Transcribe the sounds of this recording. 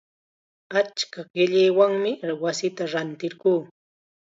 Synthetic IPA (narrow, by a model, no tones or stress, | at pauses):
at͡ʃkaɢɪʎɪjwaŋmɪwasɪt̪aɾant̪ɪɾɢuː